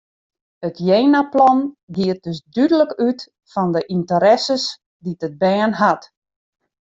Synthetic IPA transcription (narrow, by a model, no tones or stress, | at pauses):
ətʰjeːnaplɔnɡiət̚døsdydələkyt | fɔndəʔintəɾɛsəs | ditət̚bɛːnɦat